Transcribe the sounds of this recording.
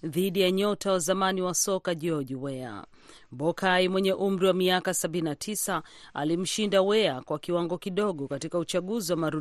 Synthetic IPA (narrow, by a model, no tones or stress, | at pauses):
ðiɗijaɲɔtawazamaniwasɔkaʄɔʄiwɛa̰ | ɓɔkʰaimwɛɲɛʔum̩ɾiwamiakasaɓinnatʰisa | a̰lim̩ʃindawɛakwakiwaŋɡɔkiɗɔɠɔkatikaut͡ʃaɠuziwamaɾu